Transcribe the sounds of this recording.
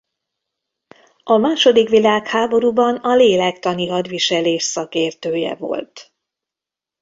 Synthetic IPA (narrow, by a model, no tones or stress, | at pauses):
ɒmaːʃo̞d̪ikʋilaːkhaːbo̞ɾuːbɒnɒleːlɛkt̪ɒniɦɒd̪ʋiʃɛleːʃsɒkeːrt̪øːjɛ̰vo̞̰lt̪